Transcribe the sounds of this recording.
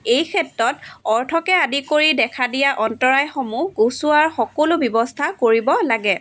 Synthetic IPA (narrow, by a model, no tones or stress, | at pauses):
ejkʰɛtɹɔtɔɹtʰɔkɛadikoɹidɛkʰadijaʔɔntɔɹajxomuɡosuaɹxɔkɔlobɔbɔstʰakoɹibɔlaɡɛ